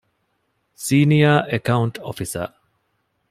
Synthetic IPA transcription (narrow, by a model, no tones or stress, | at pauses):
siːnijaːʔekɐuɳʈofisɐ̰ː